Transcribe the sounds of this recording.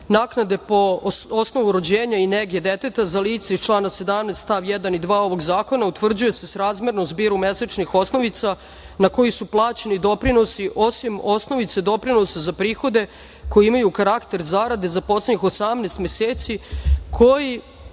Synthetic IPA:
naːknad̪e̞po̞osno̞ʋuɾod͡ʑeːɲaineɡjed̪et̪et̪azaliːt̪saist͡ʃlˠaːnase̞d̪amnest̪t̪aʋjɛd̪anid̪ʋaːo̞ʋo̞ɡzaːko̞naut̪ʋr̩d͡ʑuje̞se̞sɾaːzmjeɾnozbiːɾume̞set͡ʃnixo̞sno̞ʋit̪sa | nako̞jisuplˠaːt͡ɕenid̪o̞pɾino̞siʔo̞simo̞sno̞ʋit̪sed̪o̞pɾinosazapɾiːxo̞d̪e̞ | ko̞jiimajukaɾakt̪e̞ɾzaɾad̪ezapo̞t̪sleɲixosamneːst̪mʲjeseːt̪sikʰo̞ji

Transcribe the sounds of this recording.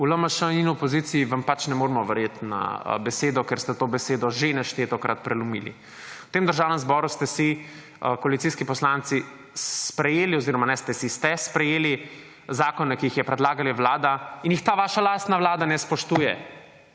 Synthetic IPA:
uləmaʃəninɔpɔzit̪siːʋampat͡ʃnɛmoːɾmɔʋɛɾjet̪na̰bɛseːd̪ɔkeɾst̪ɛt̪oːbɛseːd̪ɔʒenɛʃt̪et̪ɔkɾat̪̚pɾɛlumḭlḭ | u̥t̪emd̪əɾʒaːwnɛmzbɔɾust̪ɛsi | kɔalit̪siːskipɔslaːnt̪si | spɾɛjeːliɔziːɾɔmanɛst̪ɛsist̪ɛspɾɛjeːli | zaːkɔnːɛkijixjɛpɾɛd̪laːɡaliʋlaːd̪ainjixt̪aːʋaːʃalaːst̪naʋlaːd̪anɛspɔʃt̪uːjɛ

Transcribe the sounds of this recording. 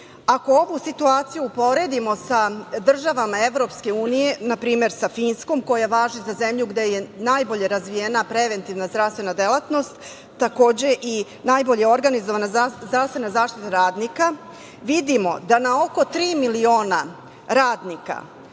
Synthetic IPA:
ako̞oʋusit̪uaːt̪sijuːpo̞ɾe̞d̪imo̞sad̪r̩ʒaʋamae̞ʋɾo̞pske̞uːnije̞napɾiːme̞ɾsafiːnsko̞mko̞jajaʋaːʒizaze̞mʎuɡd̪e̞je̞najbo̞ʎe̞ɾazʋijeːnapɾe̞ʋe̞nt̪iʋnazd̪ɾafst̪ʋe̞nad̪e̞lat̪no̞st̪ː | ako̞ːd͡ʑe̞ʔi | naːjbo̞ʎe̞o̞ɾɡanizoʋanazd̪ɾavst̪ʋe̞nazaːʃt̪it̪aɾaːd̪nika | ʋid̪imo̞d̪anao̞ko̞t̪ɾiːmilio̞ːna | ɾaːd̪nika̰

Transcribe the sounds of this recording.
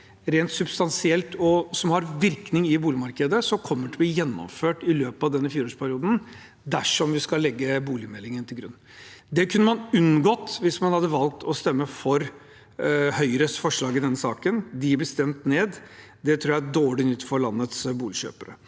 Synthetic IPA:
ɾeːnt̪sʉbst̪ɑnsɪɛlt̪ɔsɔmhɑɾʋɪɾknɪŋɪbuːlɪmɑɾkəd̪əsɔmkʰɔmːəʈʰɪlbliːjɛnːɔ̰mføːʈɪløːpɑʋd̪ɛnːəfiːɾoːʂpʰæɾɪuːd̪n̩ | d̪æʂɔmʋɪskɑlːɛɡːəbuːlɪmɛlːɪŋənt̪ʰɪlɡɾʉnː | d̪ɛkʰʉnːəmɑnʉnɡɔt̪ːʋɪsmɑnhɑd̪ːəʋɑlk̚t̪ʰɔst̪ɛmːəfɔɾ | hœʏɾəsfɔʂɭɑːɡɪd̪ɛnːəsɑ̰ːkənd̪ɪbəst̪ɛmt̪neːd̪ | d̪ɛt̪ʰɾuːjæɖoːɭɪnʏt̪ːfɔɾɭɑnːət̪sbuːlɪɕø̰ːpəɾə̰

